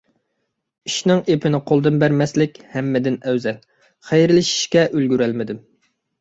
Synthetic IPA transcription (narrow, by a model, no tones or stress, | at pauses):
iʃnɪŋepʰɪnɪqʰolˠd̪ɨnbæɾmɛslɪkʲhɛmːɪd̪ɪnɛwzɛn | χæjɾɪlɪʃi̥ʃkʲɛʔølɡʲyɾælmɪd̪ɪm